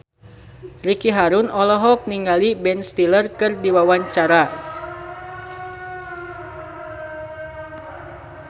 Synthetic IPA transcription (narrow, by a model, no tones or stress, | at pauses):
rikiɦaɾunɔlɔɦɔk̚niŋɡalibɛnst̪ilərkɨrdiwawaɲt͡ʃaɾa